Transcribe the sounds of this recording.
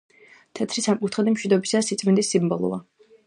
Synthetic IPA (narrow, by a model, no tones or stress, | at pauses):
t̪ʰɛt̪ʰɾisamkʼut̪ʰχɛd̪imʃwid̪ɔbisasit̪sʼmind̪isːimbɔlˠɔ̰va